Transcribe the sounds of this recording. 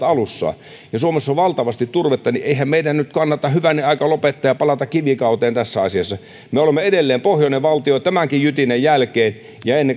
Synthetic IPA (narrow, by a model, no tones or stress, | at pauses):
ɑlusːɑ̰ː | jɑsuomesːoʋʋɑlt̪ɑʋɑst̪it̪turʋet̪ːɑniʔeihæmmeidænnyt̪kɑnːɑt̪ɑhyʋænːiɑikɑlopet̪ːɑːjɑpɑlɑt̪ɑkkiʋikɑut̪eːnt̪æsːæɑsiɑsːɑ | meolemːeedelːeːmpohjoneʋɑlt̪ioit̪æmæŋkijjyt̪inejjælkeːn | jɑenːe